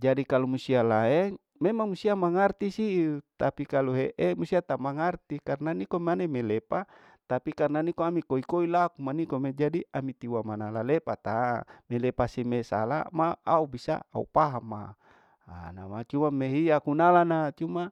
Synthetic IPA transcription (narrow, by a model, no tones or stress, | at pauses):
d͡ʒadikalumusialaɛŋ | memaŋmusiamaŋart̪isit̪apikaluɦeʔemusiat̪amaŋart̪ikarnanikomanemelepa | t̪apikarnanikoamikoikoilakumanikomed͡ʒadiamit̪iwamanalalepat̪amelepasimesa̰la̰maaubisa̰a̰ṵpaɦama̰ | a̰na̰mat͡ʃumameɦiakunalanat͡ʃuma